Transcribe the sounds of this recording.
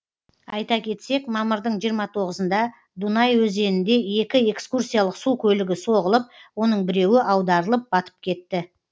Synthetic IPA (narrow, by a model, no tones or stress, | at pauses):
ɑ̰jt̪ɑkʲʰe̞t̪se̞kmɑməɾd̪əɴʒijəɾmɑt̪ʰo̞ʁəzənd̪ɑ | d̪unɑjwɵze̞nɪnd̪e̞e̞kʲɪe̞kskursʲijalˠəqsukʲʰɵlɪɡʲɪso̞ʁəlˠəp̚wo̞nəɴbɪɾe̞wɪʔɑwd̪ɑɾəlˠəp̚bɑt̪ʰə̥p̚kʲʰe̞t̪ːɪ